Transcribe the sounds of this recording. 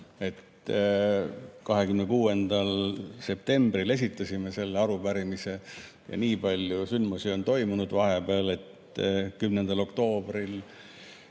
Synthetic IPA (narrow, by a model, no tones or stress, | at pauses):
e̞t̪ | kɑɦe̞kymnekuːe̞nd̪̥ɑlse̞p̚t̪e̞mbɾile̞s̬ʲit̪ˑːɑsʲime̞se̞lːeɑɾupæɾimise̞ | jɑ̰niːpɑlʲjusynmusio̞nt̪o̞jmunud̪̥vɑɦe̞beɑle̞t̪ | kymnend̪̥ɑlo̞kt̪o̞ːb̥ril